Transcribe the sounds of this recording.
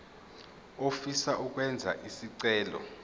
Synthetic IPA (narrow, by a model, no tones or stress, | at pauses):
ofisaʔuk̬ʼwɛnd͡zʱa̰ʔisiǀɛːlɔ̰